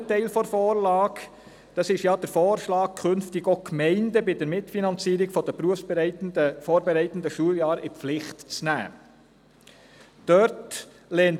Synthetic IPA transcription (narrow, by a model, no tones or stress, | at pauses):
tɛɪlfɔɾfɔːɾlɑːk | d̥ɑsɪʃjɑːd̥əɾfoːɾʃlɑːk̚kʰʏnftɪɡokmɛɪndəbɪdəɾmɪtfinɑnt͡siːɾɪɡfɔdəpɾuəfsbɛɪtndəfoːɾbɛɾɛɪt̪ən̩dəʃuəljɑːɾɪflɪχtt͡snæ̰ː | d̥œɾt | lɛːn